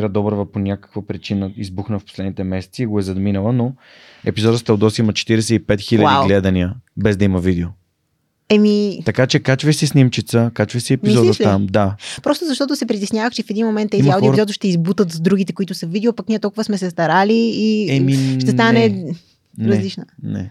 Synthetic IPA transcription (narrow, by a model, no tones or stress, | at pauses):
ɾəd̪ɔbɾvəponʲakə̥kvəpɾit͡ʃinəizbuxnəfpo̥slɛd̪nit̪ɛmɛsɛ̥t̪siːɡoɛzɐd̪minəlˠəno | ɛpizɔd̪əst̪ɐlˠd̪ɔsimot͡ʃɛ̥t̪iɾɛsɛipɛt̪xilʲəd̪iɡlɛd̪ɐniəbɛzd̪ɐiməvid̪ɛo | ɛmit̪ɐkat͡ʃɛkat͡ʃvəjsɛsnimt͡ʃit̪səkat͡ʃvəjsɛɛpizɔd̪ət̪amd̪apɾɔst̪ʊzɐʃt̪ɔt̪ʊsɛpɾit̪ɛsnʲjavəxt͡ʃɛfɛd̪inmomɛnt̪ɛiawd̪iozɔt̪oʃt̪ɛizbut̪ət̪zd̪ɾuɡʲit̪ɛkʊit̪ʊsəvid̪ɛopɐkniɛt̪ɔlˠkuvəsmɛsɛst̪ɐɾaliːɛmiʃt̪ɛst̪anɛ | nɾɐzlit͡ʃnənɛ̰